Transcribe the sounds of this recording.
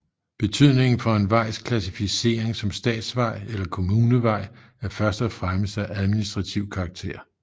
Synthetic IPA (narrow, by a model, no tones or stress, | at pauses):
b̥e̝t͡sʰyð̞̰ˠne̝ŋn̩fɒ̽e̝nʋɑ̈ɪ̰skʰlæsifise̝̰ːɐeŋsɒ̽msd̥ɛ̰ːd̥sʋɑ̈ɪ̰elɐkʰo̝muːnəʋɑ̈ɪ̰ | æɐfɶɐsd̥ɒfʁaməsæʔæðˠminisd̥ʁɑ̈t͡sʰiʊkʰɑ̈ːɡ̥̚t͡sʰe̝̰ːɐ̰